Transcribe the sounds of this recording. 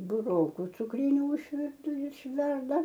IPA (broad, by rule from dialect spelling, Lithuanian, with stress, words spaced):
bʊˈroːkʊ t͡sʊkˈrʲiːnʲʊ ɪʃʲˈʋʲɪrtʊ ɪʃʲˈʋʲɛrdɐ